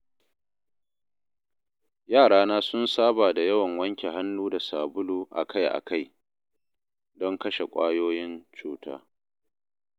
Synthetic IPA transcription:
jaː˦˨ɽaː˦naː˦sʊ˦nsaː˦baː˨da˨jɐ˦wɐ˨ŋwɐ˦ŋkʲe˨ɦa˦nːuː˦da˨saː˨bʊ˦luː˨ʔa̰˨ka˦jʔa̰˨ka˦j | dɔ˦ŋkɐ˦ʃe˨kʷʼa̰ː˦joː˦jɪ˦nt͡ʃuː˦tʰa̰ː˦

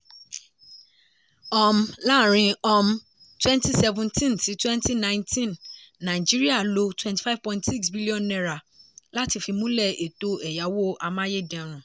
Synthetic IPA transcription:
ɔ˦mla˦˨ɾ̃ĩ˧ɔ˦m | twɛ̃˦nti˦sɛ˧vũ˦ntĩ˦nti˨˦twɛ̃˦nti˦nã˦ntĩ˦nːã˨d͡ʒi˦ɾi˦a˦˨lo˦twɛ̃˦nti̥˨fa˦v̥pɔ̃˨ĩ˦tsi˦ksbi˦li˦ɔ̃˦˨nːɛ˦ɾa˨ | la˦ti˧fi˧mũ˦lɛ˦˨e˨to˨ɛ˨ja˨˦wo˦ʔa˧mã˦je˦dɛ̃˨ɾ̃ũ˨

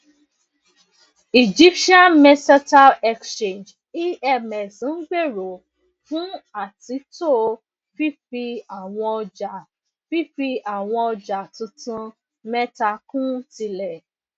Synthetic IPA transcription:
i˨d͡ʒi˦pʃi˦ã˦nmɛ˧sa˦ta˦ɛ˧kst͡ʃẽ˨nd͡ʒ | i˦ɛ˧˨mɛ˨sĩ˨˦n̩˦ɡ͡be˦˨ɾo˨ | fũ˦a˦˨ti˨˦to˦˨ | fi˦fi˧a˨w̃ɔ̃˧ɔ˧d͡ʒa˨ | fi˦fi˧a˨w̃ɔ̃˧ɔ˧d͡ʒa˨tũ˧tũ˧ | mɛ˦ta˧kũ˦ti˧lɛ˨

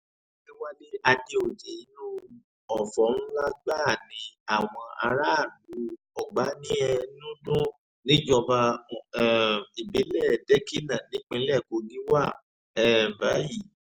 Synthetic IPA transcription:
di˦wa˦le˦a˧de˧o˨d͡ʒɛ˨i˨˦nũ˦ | ɔ˨fɔ˨˦nũ˦la˦ɡ͡ba˦˨nĩ˨˧a˨w̃ɔ̃˧a̰˧ɾa˦˨lu˨˦ | ɔ˨ɡ͡ba˨˦nĩ˦ɛ˧nũ˦dũ˦ | nĩ˦d͡ʒɔ˧ba˧˨ɛ˨i˨be˨˦lɛ˦˨dɛ˦ki˦nã˨nĩ˨˦k͡pĩ˧˦lɛ˦˨ko˧ɡi˦wa˦˨ | ɛ˨m̩˨ba˨˦ji˦˨

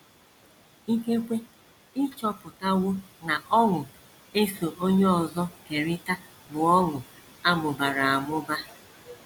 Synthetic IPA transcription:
ŋ̩˦ke˦kʷe˦ | ɪ˦t͡ʃɔ˦pʊ˨ta˦wo˦na˨ʔɔ˦ŋʊ˨ | e˦so˨ʔo˦ɲe˦ɔ˨zɔ˦ke˨ɾɪ˦ta˦ | bʊ˨ɔ˦ŋʊ˨ | a˦mʊ˨ba˨ɾa˨a˨mʊ˦ba˦

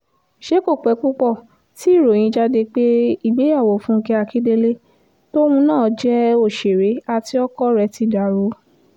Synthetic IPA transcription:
ʃe˦ko˦˨k͡pɛ˨˦k͡pu˦k͡pɔ˦˨ | ti˦i˦˨ɾo˨j̃ĩ˧˦d͡ʒa˧de˧k͡pe˦i˦˨ɡ͡be˨˦a˦˨wo˨fũ˦˧kɛ˧a˧˨ki˨˦de˧le˦ | to˦hũ˧nãː˦˨d͡ʒɛ˦o˦˨ʃe˨ɾe˨˦a˧ti˧˦ɔ˦kɔ˦ɾɛ˧˦ti˧˦˨da˨ɾo˨˦

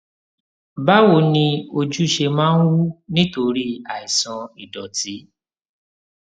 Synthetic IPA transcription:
ba˦wo˨nĩ˧o˧d͡ʒu˦i˨ʃe˧mãː˦n̩˦wu˦nĩ˦to˧ɾi˦a˨i˨sã˧i˨dɔ˨ti˨˦

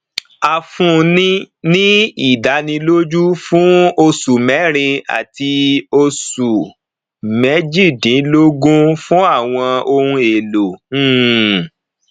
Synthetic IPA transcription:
a˧fũ˦˧nĩ˦ | nĩ˦i˦˨da˨˦nĩ˧lo˦d͡ʒu˦fũ˦o˧su˨mɛ˨˦ɾ̃ĩ˧a̰˨ti˧o˧su˨ | mɛ˨˦d͡ʒi˦˨dĩ˨˦lo˦ɡũ˦fũ˦a˦˨w̃ɔ̃˧o˧hũ˧e˨lo˨˦˨

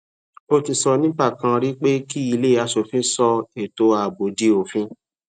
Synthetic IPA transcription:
o˦ti˧sɔ˧nĩ˦k͡pa˦˨kã˧ɾi˦k͡pe˦ki˦i˧le˦˨a˧so˨fĩ˦sɔ˧e˨to˨˦a˨bo˨di˧˦o˨fĩ˧˦

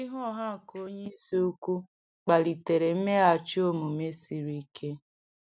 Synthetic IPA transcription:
i˦ɦɔ˦ɔ˦ɦa˦˨ko˦ɲe˦i˦si˦u˦kʷu˦ | k͡pa˨li˨te˨ɾe˨m̩˦me˦a˨t͡ʃo˦mu˨me˦si˨ɾi˦kʰe˦

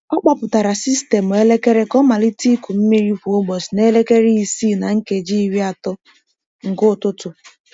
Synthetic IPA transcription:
ɔ˦k͡pa˦pʊ˨ta˨ɾa˨si˦ste˨mʊ˨e˦le˦ke˦ɾe˦kɔ˦ma˨li˦ti˦ku˨m̩˦me˦ɾi˦fu˨o˦ɡ͡bɔ˨sne˦le˦ke˦ɾi˦˨si˦˨na˨ŋ̩˦ke˨d͡ʒi˦i˦ɾi˦a˨tʊ˦ | ŋ̩˨ɡo˦˨tʊ˦tʊ˨

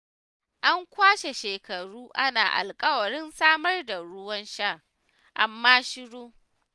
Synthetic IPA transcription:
ʔa˦ŋkʷaː˦ʃe˨ʃeː˨kɐ˨ɽuː˦ʔa˦naː˨ʔa̰˨lkʼɐ˦wɐ˨ɽɪ˦nsaː˦mɐ˦rda˨ɽʊ˦wɐ˦nʃa˦˨ | ʔa̰˦mːaː˦ʃɪ˦ɽoː˦

